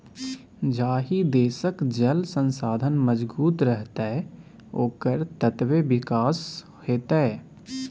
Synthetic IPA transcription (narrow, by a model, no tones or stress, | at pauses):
d͡ʒaːɦid̪eːsəkd͡ʒəlsə̃nsaːd̪ʱənməzbuːt̪ɾəɦt̪a | oːkəɾt̪ət̪webɪkaːs | heːt̪eɛ